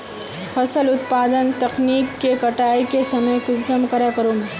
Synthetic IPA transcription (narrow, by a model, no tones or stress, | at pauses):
pʰɐsəlʊt̪paːd̪ənt̪ɐkniːkːekɐʈaːikesɐməjkʊd͡ʒsəmkɐɾakəɾoːme